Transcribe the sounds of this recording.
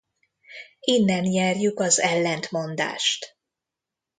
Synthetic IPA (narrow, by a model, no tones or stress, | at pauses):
inːɛnjɛrjykɒzɛlːɛnt̪mo̞nd̪a̰ːʃt̪